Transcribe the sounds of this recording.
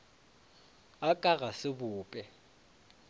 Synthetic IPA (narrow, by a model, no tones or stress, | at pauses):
akʼaɣasɪbʊːpʼɛ